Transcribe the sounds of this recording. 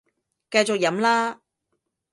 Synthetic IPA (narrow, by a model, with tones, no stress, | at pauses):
kɐ˧jt͡ʃo˨k̚jɐ˨˥mlaː˥